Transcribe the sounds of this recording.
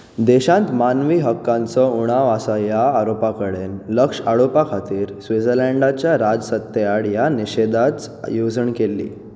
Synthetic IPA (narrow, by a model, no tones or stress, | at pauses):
d̪eɕãnt̪manʋiːɦəkːãnt͡sɔuɽ̃aʋasajaːɾopakəɽenləkʂaɽopakʰat̪iːɾsʋid͡zəɾləɳɖat͡ɕjaɾad͡zsət̪ːeaɽjaniɕed̪at͡sjod͡zəɳkelːḭː